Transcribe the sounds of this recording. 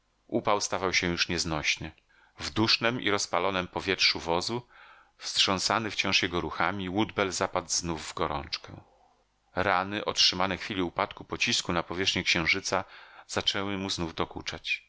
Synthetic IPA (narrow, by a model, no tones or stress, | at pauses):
ʔupawst̪avawɕɛjuʂɲɛznɔɕnɘ | vd̪uʂnɛmʔḭɾɔspalɔnɛmpɔvʲjɛtʂuvɔzu | fstʂɔ̃w̃sanɘft͡ɕɔ̃ʂjɛɡɔɾuxamʲiwud̪bɛlzapad̪znuvːɡɔɾɔ̰̃nt͡ʂkɛ̰̃ | ɾanɘʔɔtʂɘmanɛxfʲilʲiupat̪kupɔt͡ɕiskunapɔvʲjɛʂxɲɛkɕɛ̃w̃ʐɘt̪saz̥at͡ʂɛwɘmuznuvd̪ɔkut͡ʂat͡ɕ